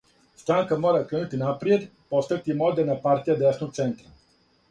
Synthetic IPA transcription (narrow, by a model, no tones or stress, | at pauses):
st̪ɾaŋkamɔɾakɾɛnut̪inapɾijet̪pɔst̪ək̚t̪imɔd̪ɛnapaɾt̪ijad̪ɛsnot̪t̪sɛnt̪ɾa